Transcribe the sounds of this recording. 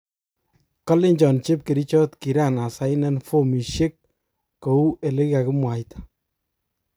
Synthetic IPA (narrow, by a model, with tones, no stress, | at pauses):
kɔ˦lɪ˦ɲt͡ʃɔ˨nt͡ʃe˦p̚ke˨ɾi˦t͡ʃɔ˦tki˨ɾa˦˨na˨sa˦jnɛ˦nfo˦mi˨ʃe˦k̚ː | o˨u˦e˨le˦kia˨kɪ˦mwa˨tʰḁ˦